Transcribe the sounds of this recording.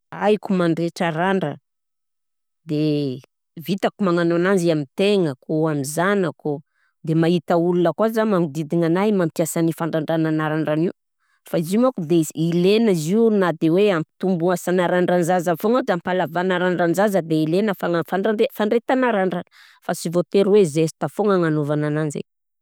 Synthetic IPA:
a̰jkumaɳɖ͡ʐeʈ͡ʂəɾaɳɖ͡ʐə | d̪e | vit̪akumaŋanonanziamint̪eŋəkoamizanako | d̪emait̪əulunakuazamaŋud̪id̪iŋanajmamt̪iasanifaɳɖ͡ʐaɳɖ͡ʐananaɾaɳɖ͡ʐaniu | faizimakud̪eilenaziunad̪eweampi̥t̪umbuasanaɾaɳɖ͡ʐanzazafoŋad͡ʒampalavanaɾaɳɖ͡ʐanzazəd̪eilenəfaŋafaɳaɳefaɳɖ͡ʐet̪anaɾaɳɖ͡ʐan | fasivot̪eɾwezesi̥t̪afoŋaŋanovananand͡ʒḛ

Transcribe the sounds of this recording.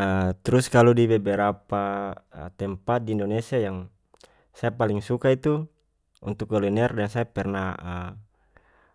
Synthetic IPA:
ət̪ɾuskaludibɛbɛɾapa̰t̪ɛmpat̪̚diːndonesiajaŋ | sajapaliŋsukait̪u | ṵnt̪ukːɔlinɛrdɛŋsaapɛrnaə

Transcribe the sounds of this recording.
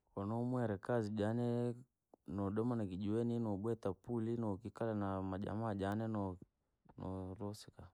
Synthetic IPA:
kɔnɔmwɛɾɛkaziʄanɛ | nɔɗɔmanakiʄuɛninɔɓwɛtapulinɔkikalanamaʄa̰maːʄanɛnɔ | nɔɾɔsika

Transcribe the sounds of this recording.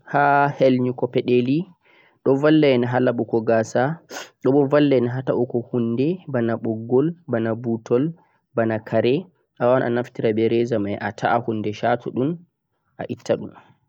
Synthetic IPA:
hahelɲukɔpɛɗeli | ɗɔvalːɛnaɦalaɓukɔɡaːsaɗɔɓɔvalːɛnaɦataʔukɔhundɛbanaɓɔɡːɔlbanabutʰɔl | banakʰaɾɛ | ʔawanʔa̰naftiɾabɛɾɛzamajʔatʰa̰ʔahundɛʃatʰɔɗun | ʔa̰ʔitʰːaɗṵm

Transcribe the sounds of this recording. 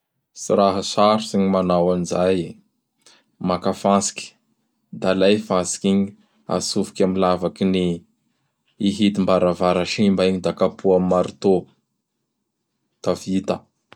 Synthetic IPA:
siɾaɦasaɾusiɲimanawanizaj | makafansi̥ki̥ | d̪alajfasi̥kiɲi | a̰sufi̥kʲamilavakini | ɦit̪imbaɾavaɾaʃimbaiɲid̪akapʰuammaɾit̪o | t̪avit̪a

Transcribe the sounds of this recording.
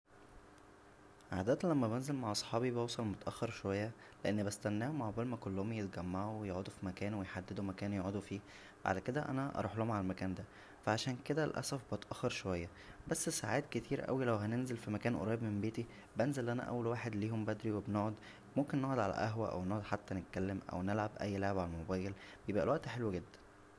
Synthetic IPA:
ʕaːd̪æːt̪læmːæbenzelmaʕʔɑsˤħɑːbibewsˤɑlmot̪æʔæxːeɾʃowæjːæ | leʔenːbest̪ænːæːhomaʕbælmækolːohomjet̪̚ɡæmːaʕuwejoʕod̪ufimækæːnwejħad̪ːed̪umækæːnjoʕod̪ufiː | fʕa̰læked̪æʔæ̰næʔɑ̰ɾˤuːħlohomʕalælmækæːnd̪æ | fæʕaʃæːnked̪ælʔæ̰sæfbet̪ʔɑxːɑɾˤʃowæjːæ | bæsːsaʕaːt̪ket̪ʰiːɾʔæ̰wilæwɦænenzelfimækæːnʔo̰ɾˤɑːjbmembeːt̪i | benzelʔænæ̰ʔæ̰wːælwaːħed̪liːhombæd̪ɾiwebnoʕod̪ | momkenːoʕod̪ʕalæ̰ʔæɦwæʔæ̰wnoːʕod̪ħat̪ːænet̪̚kælːemʔæ̰wnelʕabʔæjːleʕebʕalælmobæːjelbejebʔæ̰lwæʔt̪ħelweɡed̪ːæ̥nn

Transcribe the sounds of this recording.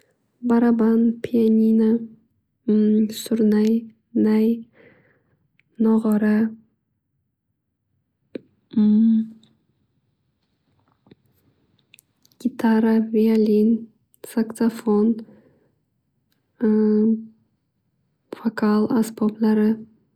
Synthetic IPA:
baɾabanpʰʲiianʲina | sʊɾnaj | naj | noʁɑɾa | ɡ̥ʲit̪aɾavʲialʲin | saksafon | fakalˠasboblˠaɾɪ

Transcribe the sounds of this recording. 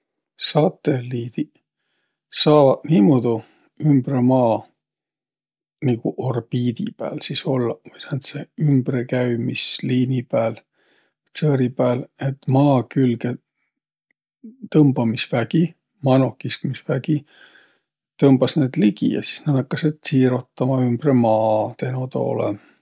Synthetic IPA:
sɑt̪ːe̞lːiːd̪̥i | sɑːvɑd̪niːmod̪̥u | ymb̥remɑː | niɡ̥uʔorb̥iːd̪̥ḭpæ̰ːlsiso̞lːɑkujsænt̪seymb̥rekæjmisliːnipæːl | sɤːɾipæːle̞t̪ːˑmɑːkylɡ̥e̞ | t̪ɤmb̥ɑmisvæɡ̥i | mɑno̞kːˑiskmisvæɡ̥i | t̪ɤmb̥ɑsne̞ːd̪̥liɡ̥ḭjɑ̰si̥snɑd̪hɑkːɑset̪siːɾo̞t̪ːˑɑmɑymb̥re̞mɑːt̪e̞not̪o̞̰ːlḛ

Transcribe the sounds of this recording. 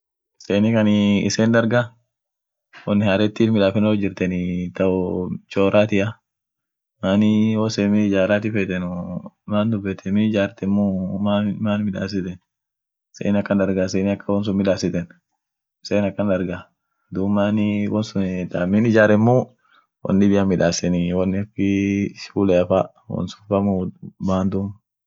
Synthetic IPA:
seːnɪkɐnɪɪ̰seːnd̪ɐɾɡa | wɔnːɪhaːɾɛt̪ːiːfmɪᶑaːfɛnɔd͡ʒːɪɾt̪ɛnɪt̪ɐʔʊt͡ʃoːɾaːt̪ɪʔa | maːnɪwoːseːmɪɪd͡ʒaːɾaːt̪ɪfeːt̪ɛnʊmaːnd̪ʊbːɛt̪ʰːɛmɪɪd͡ʒaːɾt̪ɛmːumamaːnmɪᶑa̰ːsɪt̪ɛn | sḛːnɪɐkːɐnd̪ɐɾɡas̬eːnɪɐkːɐwɔns̬ʊmɪᶑaːsɪt̪ɛn | seːnɐkːɐnd̪ɐɾɡa | d̪uːmːaːnɪwɔnsʊnt̪amɪnɪd͡ʒaːɾɛmːu | wʔɐ̰nːɪbɪjamːɪᶑaːsɛnɪwɐnːɪfɪʃulɛɐfa | wɔ̰nsʊ̥fɐmumaːnd̪um

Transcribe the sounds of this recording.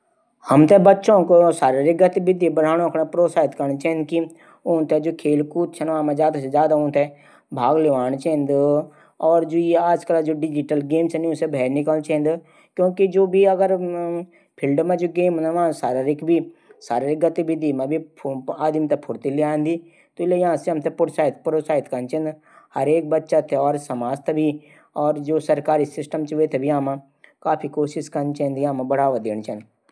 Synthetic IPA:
hɐmt̪ebɐtːʃõkosaːɾaɾiɡɐt̪ibɪd̪ibəɽ̤aːɽ̃õkʰɽepɾoːsaːɪt̪kəɾɳ̃t͡ʃɛ̃ːnd̪̚ki | õːnt̪ɛd͡ʒoːkʰeːlkuːt̪t͡ʃʰɐnʋãːmẽd͡ʒaːd̪ased͡ʒjaːd̪aʊ̃nt̪ʰɛ | bʱaːɡlɪʋaːnt͡ʃend̪ | ɔːɾd͡ʒoːaːd͡ʒkəld͡ʒoɖɪd͡ʒiʈəlɡeːmsɛniʊsebʱɛːɾnikəlt͡ʃɛ̃ːnd̪ | kjõːkid͡ʒoːbʱiɐɡəɾ | pʰɪlɖmẽd͡ʒoɡeːmnaʋãsaːɾaɾikbʱisaːɾaɾɪk̚ɡɐt̪ibʱid̪iːmẽbʱiaːd̪mt̪epʰʊɾt̪iliãːnd̪i | t̪oɪlejɐɦãseɦɐmt̪epʊɽsaːɪt̪̚ʰpɾoːsaːɪt̪ʰkɐnt͡ʃɛ̃nd̪ | hɐɾeːk̚bɐtːʃat̪ʰeɔːɾsɐmaːst̪ʰbʱi | ɔːɾd͡ʒoːsɐɾkaːɾisɪsʈəmt͡ʃʋet̪ʰebʱiaːmã | kaːpʰikoːʃɪʃkɐnt͡ʃɛɦnd̪jãːmãbɐɽaːʋad̪eːɽ̃t͡ʃɛ̃nd̪

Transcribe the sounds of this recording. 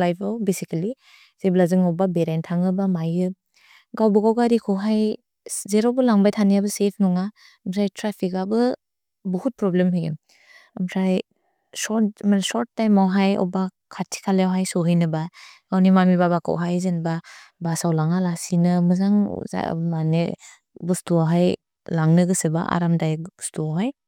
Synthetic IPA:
lajpʰawbesikali | zeblazɯŋɔbabeɾentʰaŋɯbamajɯ | ɡawbɯɡawɡaɾikʰɔwɦaj | zeɾɔwbɯlaŋbajtʰanijabɐsepʰnɔŋa | msajtɾapʰikabɯ | bɔhut̚pɾɔblemɦɯjɡem | amsaj | sɔmansɔɾt̚ːajmawɦajɔ̰ba | kʰatʰi̥kʰaleawɦajsɔɦɯjnɯbaɡawnimamibabaka̰wɦajzenbabasawlaŋalasinɯmɯzaŋ̰za̰mane | bɯstuaɦaj | laŋnɯɡɯsɯba̰ʔa̰ɾamdajstuawɦaj

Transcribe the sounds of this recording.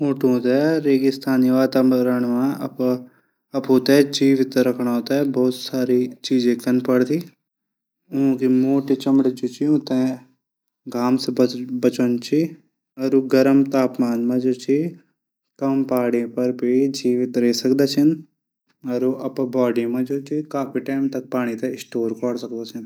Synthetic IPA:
moːʈõt̪aɾeːɡist̪ʰaːnʋaːt̪amɐɾəɳ̃mãɐp | ɐpɦoːt̪aɛd͡ʒiːʋɪt̪ɾɐkʰɳ̃aoːt̪aɛbɔːt̪saːɾit͡ʃiːd͡ʒẽkɐnpɐɽt̪i | ʊõkimoːʈit͡ʃɐmɽt͡ʃut͡ʃiõt̪e | ɡaːmsbɐt͡ʃənt͡ʃʰi | ɐɾuɡɐɾəmt̪aːpmaːnmãd͡ʒoːt͡ʃʰi | kɐmpaːɽepɐɾbʱid͡ʒiːʋɪt̪ɾeːsɐkd̪aːt͡ʃʰɐn | ɐɾuʔɐpbaːɖimãd͡ʒoːt͡ʃʰikaːpiʈaːɪmt̪ɐk̚paːɽ̃it̪ɐɪsʈoːɾkɔːɽsɐk̚d̪aːt͡ʃʰɐn

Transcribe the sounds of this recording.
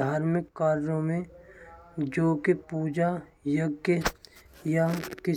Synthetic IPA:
aːɾmɪkːaːɾɾõmẽ | d͡ʒoːkepuːd͡ʒa | jəɡjəjakɪ

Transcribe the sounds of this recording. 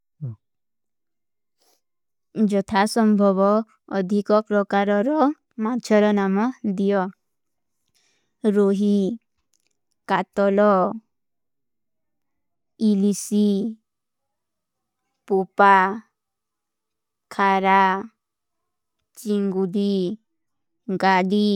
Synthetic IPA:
d͡ʒɔt̪ʰasɔmbʱɔβɔː | d̪ʱikɔpɾɔkaɾɔɾɔ | mad̪ʱjɔɾɔnamɔd̪ijɔ | ɾoɦi | kat̪ɔlɔ | ilisi | pupa | kʰaɾa | t͡ʃiŋɡudi | ɡaɽi

